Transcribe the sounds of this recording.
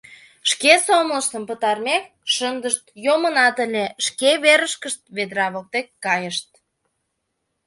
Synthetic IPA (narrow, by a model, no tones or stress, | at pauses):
ʃkesomləʃt̪əmpət̪ɑrmek̚ʃənd̪əʃt̪jomənɑt̪əlʲeʃkeβeɾəʃkəʃt̪̚βed̪ɾɑβək̚t̪ekːɑjəʃt̪̚